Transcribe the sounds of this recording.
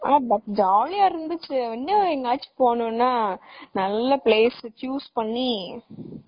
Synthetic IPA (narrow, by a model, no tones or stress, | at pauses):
aːbɐkd͡ʒaːlijaːɪɾɯnd̪ɯt͡ʃːɯɛnːɐɛŋɡaːt͡ʃːi̥poːnʊ̃nːaːnɐlːɐpleːst͡ʃjuːspɐɳːi